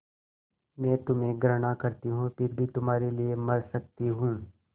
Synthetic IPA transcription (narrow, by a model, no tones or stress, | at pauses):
mɛ̃ːt̪ʊmẽɡɾɐɽ̃akɐɾt̪iɦũpɪɾbʱit̪ʊmɦaːɾeliemɐɾsɐk̚t̪iɦũː